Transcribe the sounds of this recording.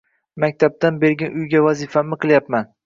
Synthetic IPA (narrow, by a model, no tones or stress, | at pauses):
makʲt̪ʰab̚t̪ʰanbeɾɡʲanʊjɡʲavazɪfamɪqʰɨlˠjapman